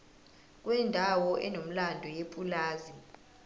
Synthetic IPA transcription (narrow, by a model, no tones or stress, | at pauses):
k̬ʼwɛndʱawɔʔɛnom̩landʱɔjepʼulaːzi